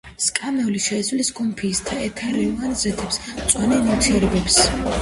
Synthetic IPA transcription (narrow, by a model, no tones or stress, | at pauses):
skʼamɛliʃɛizliskʼumpʰiːst̪ʰaɛt̪ʰaɾiuvanzɛt̪ʰɛpst̪sʼwanɛmilt̪ʰiɛɾɛbɛps